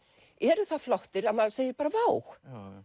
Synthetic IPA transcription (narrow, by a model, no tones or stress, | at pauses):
ɛɾʏθaðflɔwht̪ɪɾamaðseːjðɪɾpaːɾavaːwx